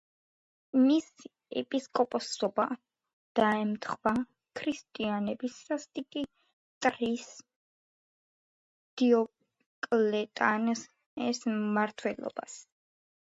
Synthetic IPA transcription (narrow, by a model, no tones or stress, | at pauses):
mis | ɛ̰pʼiskʼɔpʼɔsɔba | d̪̥aɛmt̪ʰχwa | kʰɾist̪ʼianɛbissast̪ʼikʼi | t̪ʼɾis | d̪̥iɔ | kʼlɛt̪ʼans | ɛsmaɾt̪ʰwɛlˠɔ̰ba̰s